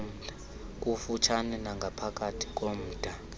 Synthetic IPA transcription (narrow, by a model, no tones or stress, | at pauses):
m̩ːʱa | k̬ʼufut͡ʃʰanɛnaŋɡʱapʰakʼatʰi̥k̬ʼom̩ːd̥ʱa